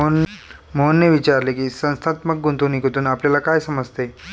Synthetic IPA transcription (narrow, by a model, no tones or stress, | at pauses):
monːeʋit͡ɕaɾlekiːsə̃ñst̪ʰat̪mək̚ɡunt̪unikot̪uːnapljalakajsəməd͡zt̪e